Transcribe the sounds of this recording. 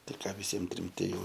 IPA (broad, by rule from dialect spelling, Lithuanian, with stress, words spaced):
ˈtɐɪ ˈkɑː ʋʲɪˈsʲiɛm ˈtʲrʲɪm tʲɪ ˈjɛʊ